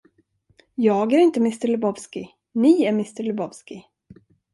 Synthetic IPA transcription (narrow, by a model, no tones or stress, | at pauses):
jɑːɡæɾɪnt̪əmɪst̪əɾɭɵbɔvskɪ | nɪæɾmɪst̪əɾlɵbɔvskɪ